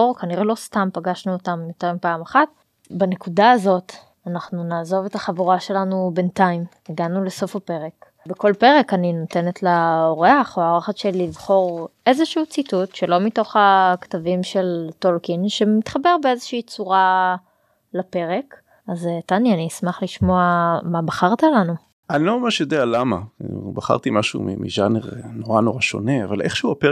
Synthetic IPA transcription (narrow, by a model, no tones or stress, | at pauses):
ʁkaniʁelo̞stampaɡaʃnuotamjot̪eʁmipaːmaχat̚ | bane̞kudaːzo̞t | anaχnunaːzo̞ve̞taχavuʁaʃe̞lanube̞ntaim | eɡanule̞so̞fape̞ʁe̞k | beko̞lpe̞ʁekaninote̞netlaoʁeaχoaʁaχatʃelivχo̞ʁʔe̞zeʃuut͡situtʃelo̞mito̞χaktavimʃeltolkinʃemit̪χabeʁbeezeʃiːt͡suʁa | lape̞ʁek | aztanjanismaχliʃmoamabaχaʁt̪alanu | ʔanilomamaʃjod̪ealamabaχa̰ʁt̪imaʃṵmḭmʔḭʒaneʁnoʁanoʁaʃo̞̰nea̰va̰lʔeχʃeuape